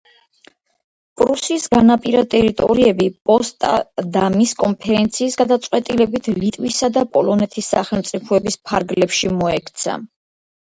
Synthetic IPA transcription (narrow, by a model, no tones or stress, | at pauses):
pʼɾusisɡanapʼiɾat̪ʼɛɾit̪ʼɔ̰ɾiɛbipʼɔst̪ʼa̰d̪amiskʼɔmpʰɛɾɛnt̪sʰiːsɡad̪at̪sʼqʼwɛt̪ʼilɛbit̪ʰlit̪ʼwisad̪apʼɔlɔnɛt̪ʰisːa̰χɛlˠmt̪sʼipʰɔɛbispʰaɾɡlɛpʃimɔɛkʰt̪sʰa̰